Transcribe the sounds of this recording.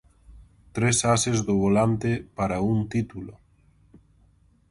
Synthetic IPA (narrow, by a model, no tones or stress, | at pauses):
t̪ɾesasezðoβolant̪epaɾaunt̪it̪ulo